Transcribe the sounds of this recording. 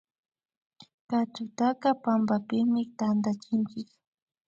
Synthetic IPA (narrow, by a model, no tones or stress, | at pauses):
kat͡ʃʊt̪akapambapɪmɪt̪and̪at͡ʃɪnt͡ʃɪk